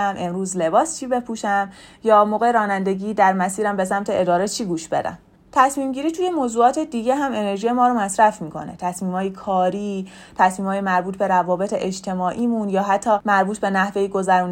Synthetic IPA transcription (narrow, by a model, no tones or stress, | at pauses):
mʔe̞mɾuːzle̞bɒːst͡ʃʰiːbe̞pʰuːʃæmjɒːmoːɣeɾɒːnænd̪e̞ɟiːd̪æɾmæsiːɾæmbe̞s̬æmt̪ʰe̞ʔed̪ɒːɾet͡ʃʰiːɡuːʃb̥e̞̰d̪æ̰m | t̪ʰæsmiːmɟiːɾiːt̪ʰuːje̞moːzuːɒːt̪ʰe̞d̪iːɟe̞ɦæme̞ne̞ɾʒijemɒːɾomæsɾæfmiːkʰo̞̰ne̞̰t̪ʰæsmiːmhɒːjekʰɒːɾiː | t̪ʰæsmiːmɒːjemæɾbuːt̪̚ʰbe̞ɾævɒːbe̞t̪ʰeʔed͡ʒt̪ʰe̞mɒːʔiːmunjɒːɦæt̪ʰːɒːmæɾbuːt̪ʰbe̞næhve̞jiɡo̞zæɾun